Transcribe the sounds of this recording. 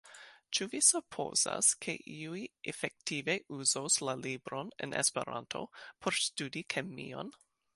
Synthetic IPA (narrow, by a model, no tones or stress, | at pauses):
t͡ʃuvisupʰo̰za̰skʰḛʔiuiefek̚tiveʔuzowslalibɾonḛnʔḛspḛɾa̰ntʰo̞̰pʰoɾstudikʰemːḭo̞̰n